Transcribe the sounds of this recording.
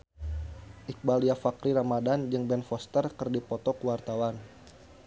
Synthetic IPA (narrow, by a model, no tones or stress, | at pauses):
ʔik̚baliafakɾiɾamadand͡ʒɨŋbɛnfɔst̪ərkərdipɔt̪ɔkəwart̪awan